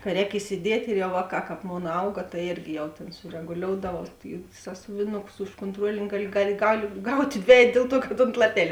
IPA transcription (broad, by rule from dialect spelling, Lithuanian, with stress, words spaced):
kɐ ˈrʲɛːk ɪsʲɪˈdʲiɛtʲ ɪr jɛʊ ˈʋɑːˌkɑː ˈkɑːp ˈmoːn ˈɐʊɡɐ tɐɪ ˈeːrʲɡʲɪ jɛʊ ˈtʲeːn sʊrʲɛɡʊˈlʲoːʊdɐʋɐʊ ɪ ˈsɑːsʊʋʲɪnʊkʊs ʊʃ koːntˈruɔlʲɪnʲɪ ˈɡɑːˌlʲɪ ˈɡɑːˌlʲɪ ɡɐlʲ ˈɡɐʊtʲ ˈdʲʋʲæːjɛt ˈdʲeːlˠ ˌtuɔ kɐt oːnt lˠɐˈpʲæːlʲeː